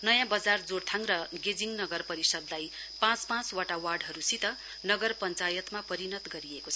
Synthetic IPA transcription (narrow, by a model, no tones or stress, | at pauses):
nʌjãbʌd͡zard͡zoɽt̪ʰãŋrʌɡed͡ziŋnʌɡʌrpʌɾisʌd̪laj | pãt͡spãt͡swaʈawarɖɦʌɾusit̪ʌ | nʌɡʌrpʌnt͡sajʌt̪mapʌɾinʌt̪ɡʌɾiekot͡sʰʌ